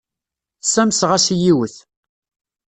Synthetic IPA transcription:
θsæmsʁæsijiwəθ

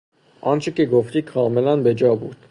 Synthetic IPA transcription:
ɑnt͡ʃʰəkiɡɔfɾikʰɑlmɛlɑnbɛd͡ʒɑbuɾt̪

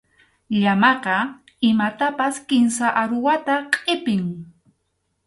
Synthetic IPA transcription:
ʎamɑqɑ | ɪmat̪apaskɪnsaʔaɾʊwat̪aqʼɪpɪŋ

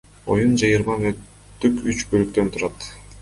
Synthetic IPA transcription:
o̞̰jund͡ʒɑjɯɾmɑnøt̪ː | ykyt͡ʃbølyk̚t̪ønt̪ʰuɾɑt̪

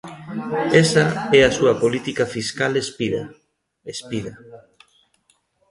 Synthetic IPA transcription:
esaɛasuɐpolit̪ikafiskalespiða̰ | espiðɐ

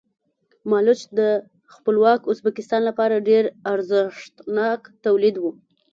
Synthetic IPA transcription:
mɑlʊt͡ʃd̪ə | xpəlwɑkʊzbakɪst̪ɑnlapɑɾaɖeɾaɾzɪʂt̪nɑkt̪awlid̪wu

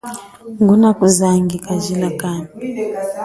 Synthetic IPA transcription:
ŋɡunakuzaŋɡikazilakaːni

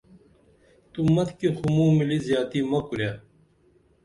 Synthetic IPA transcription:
t̪umɐt̪ʰkixumũːmilizjaːt̪imɐkuljaː

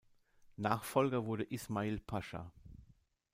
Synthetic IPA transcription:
naːχfɔlɡɐvʊɐɾəʔɪsmaiːlpʰaʃa̰

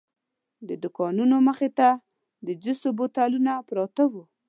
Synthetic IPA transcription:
d̪əd̪ʊkɑnunoməxet̪a | d̪əd͡ʒʊst̪obot̪alunapɾɑt̪awu

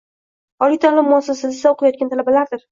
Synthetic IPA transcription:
ɒlɪt̪ʰalɪmːʊasasɪzɪsaoqʰajɒt̪̚kʲant̪ʰalabalaɾd̪ɪɾ

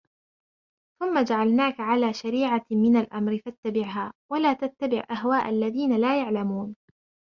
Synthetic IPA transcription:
θʊmːad͡ʒaʕalnaːkaʕalaːʃaɾiːʕamɪnalʔamɾɪfat̪ːabɪʕɦaːwalaːt̪at̪ːabɪ̰ʕʔaɦwaːʔalːaðiːnalaːjaʕlamuːn

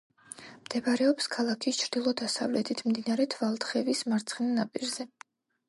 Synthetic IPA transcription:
md̪̥ɛbaɾɛɔpskʰalˠakʰist͡ʃʰɾd̪̥ilˠɔd̪asa̰vlɛt̪ʰit̪ʰmd̪inaɾɛt̪ʰvalˠt̪χɛvismaɾt̪sʰχɛnnapʼiɾzɛ

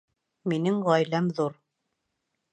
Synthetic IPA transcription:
minɘŋʁɑjlæmðuɾ

